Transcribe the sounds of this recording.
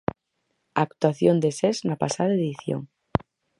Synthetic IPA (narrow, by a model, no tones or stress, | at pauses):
akt̪waθjond̪eseznapa̰saðaeðiθjo̰ŋ